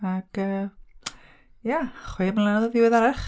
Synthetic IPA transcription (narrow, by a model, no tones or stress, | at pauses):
akəː | jaχweːmənlˠanɔðɔvɪwɪðaɾaχ